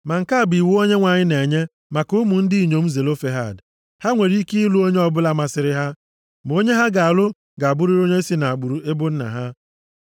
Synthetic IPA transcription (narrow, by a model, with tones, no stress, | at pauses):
ma˨ŋ̩˨ka˦a˨bi˨wu˦o˦ɲe˦ŋʷa˨ɲɪ˦ne˨ɲe˦ | ma˨kʊ˦mʊ˨n̩˦di˦˨ɲo˨m̩˦ze˨lo˦fe˦ɦa˦˨d | ha˦ŋʷe˨ɾi˦ki˦i˦lu˦o˦ɲe˦ɔ˦bʊ˦la˦ma˨sɪ˨ɾɪ˦ɦa˦ | m˨o˦ɲe˦ɦa˦ɡa˨a˨lʊ˦ | ɡa˨a˨bʊ˦ɾi˦ɾo˦ɲe˦si˦na˨a˨ɡ͡bu˨ɾu˨e˦bʊ˦n̩˦na̰˨ɦa˦